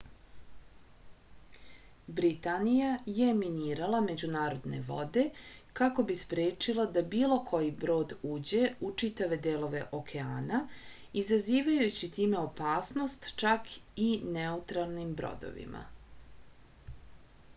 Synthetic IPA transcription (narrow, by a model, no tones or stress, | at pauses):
bɾit̪anijaje̞miniːɾalame̞d͡ʑunaːɾo̞d̪ne̞̰ʋo̞̰d̪e̞kako̞bispɾeːt͡ʂilˠad̪abiːlo̞kʰo̞jibɾo̞ːd̪uːd͡ʑe̞ut͡ʂit̪aʋe̞d̪eːlˠo̞ʋe̞ʔo̞kʰe̞aːna | izaziːʋajut͡ɕit̪iːme̞o̞paːsno̞st̪t͡ʃakʰineut̪ɾalˠnimbɾo̞̰d̪o̞̰ʋḭmʔa̰